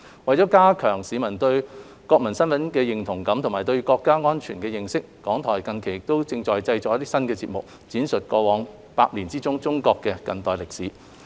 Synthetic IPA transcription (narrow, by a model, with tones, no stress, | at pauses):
wɐ˨jt͡sɔː˨˥kaː˥kʰœː˨˩ŋsiː˨˥mɐ˨˩nt̪ɵ˧ɥ | kɔː˧k̚mɐ˨˩nsɐ˥nfɐ˨˥nkɛː˧jɪ˨ŋt̪ʰʊ˨˩ŋkɐ˨˥mt̪ʰʊ˨˩ŋmaː˨˩t̪ɵ˧ɥkɔː˧kːaː˥ŋɔː˥nt͡ʃʰyː˨˩nkɛː˧jɪ˨ŋsɪ˥k̚ːɔː˨˥ŋt̪ʰɔː˨˩jkɐ˧nkʰe˨˩jɪ˨k̚t̪o˥wt͡sɪ˧ŋt͡ʃɔː˨jt͡sɐ˧jt͡sɔː˨˧˥jɐ˥t̪iː˥sɐ˥nkɛː˧t͡siː˧t̚mʊ˨k̚ | t͡siː˨˥nsɵ˨t̚kɔː˧wɔː˨˥ŋ | paː˧k̚liː˨˩nt͡siː˥t͡sʊ˥ŋt͡sʊ˥ŋkɔː˧kːɛː˧kɐ˨nt̪ɔː˨˩jlɪ˨k̚siː˨˥